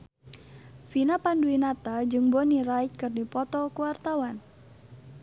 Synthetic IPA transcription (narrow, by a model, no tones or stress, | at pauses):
finapanduinat̪ad͡ʒɨŋbonirait̪̚kɨrdipɔt̪ɔkuwart̪awan